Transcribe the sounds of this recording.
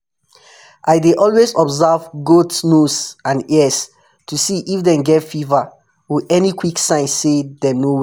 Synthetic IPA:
ʔaɪdeʔɔlwezɔbzavɡotnusãnɛs | tʰusiʔifdɛ̃mɡɛtfiva | wiɛnikwiksãɪ̃nsːedɛ̃nowɛ

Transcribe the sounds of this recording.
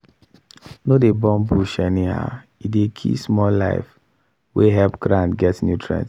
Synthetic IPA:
nodebɔ̃mbuʃɛniha̰ | idekʰḭsmɔlla̰ɪf | weɦɛlpɡ̥ɹãntɡɛtnjutʰɹɛ̰̃nt

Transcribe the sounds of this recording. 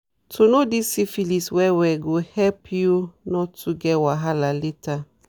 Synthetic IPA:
tʰonodisifiliswɛwɛɡohɛpʰjunɔtʰuɡɛwaɦalaleta

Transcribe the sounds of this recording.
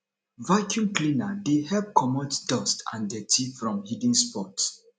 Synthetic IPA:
vakʰjũmklĩnadehɛlp̚kʰɔmɔtdɔstã̰ndɛtʰifɹɔ̃mhidĩnspɔt

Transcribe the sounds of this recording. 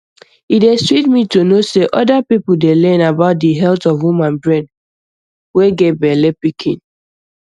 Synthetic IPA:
idestɹit̚mitonoseʔɔdapipʊldelɛ̃nabaʊt̚diɦɛltɔvwumãnbɹɛ̃d | weɡebɛlepikʰḭ̃n

